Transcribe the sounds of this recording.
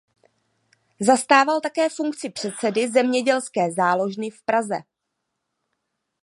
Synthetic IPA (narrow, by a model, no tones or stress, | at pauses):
zast̪aːvalt̪akɛːfuŋkt͡sɪpr̝̥ɛt̪t͡sɛdɪzɛmɲɛɟɛlskɛːzaːlo̞ʒnɪfpɾazɛ̰